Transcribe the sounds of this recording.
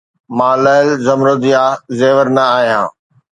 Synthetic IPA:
mãːləɪlzɐmɾoːd̪ijaːzeːʋəɾnɐaːɦijã̰ː

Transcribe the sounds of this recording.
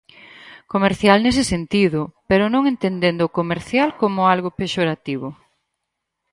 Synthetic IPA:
komeɾθjalnes̬ɪsent̪iðʊpeɾʊnõŋent̪end̪end̪oːkomeɾθjalkomʊalɣopeʃoɾat̪iβʊ

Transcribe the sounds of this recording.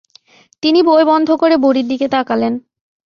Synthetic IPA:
t̪iniboebɔnd̪ʱokoɾeboɾiɾd̪iket̪akalen

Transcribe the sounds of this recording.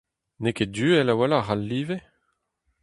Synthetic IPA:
nekedyːɛlawalaʁalːiːve

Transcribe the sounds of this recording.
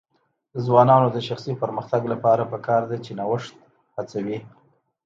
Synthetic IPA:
d̪əzwɑnɑnod̪əʃaxsipəɾməxt̪aɡlapɑɾapəkɑɾd̪at͡ʃenawəʂt̪̚ | hat͡sawi

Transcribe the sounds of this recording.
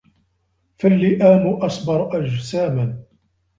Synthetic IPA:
falːiːʔaːnuʔɑsˤbɑɾˤʔaʒsaːman

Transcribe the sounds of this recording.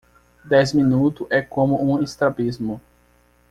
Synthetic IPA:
d̪ɛzmĩnut̪ʊʔɛkõmʊũest̪ɾabizmʊ

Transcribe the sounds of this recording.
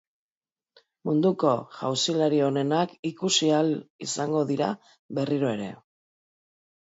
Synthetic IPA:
mund̪uko̞ʝa̰wsilaɾio̞ne̞nakikusialisaŋɡo̞ðiɾa̰ | βe̞riɾo̞e̞ɾe̞̰

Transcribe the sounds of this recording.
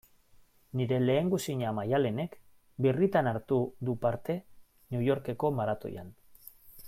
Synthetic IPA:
niɾe̞le̞ːŋɡusiɲamajale̞ne̞k | birit̪anaɾt̪uðupaɾt̪e̞ | niujo̞ɾke̞ko̞maɾat̪o̞̰ja̰n

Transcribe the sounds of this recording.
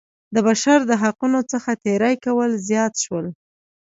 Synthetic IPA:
d̪əbaʃaɾd̪əɦaqunot͡səxat̪eɾajkawəlzjɑt̪ʃwəl

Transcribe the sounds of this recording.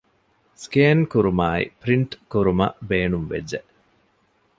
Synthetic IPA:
skeːnkuɾumaːḭpɾiɳʈkuɾumɐ̰beːnumʋḛd͡ʒe

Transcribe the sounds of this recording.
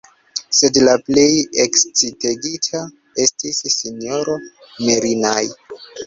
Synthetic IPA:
se̞dlaple̞jekst͡siteɡitʰa | e̞stisːinio̞ɾo̞ | meɾinaj

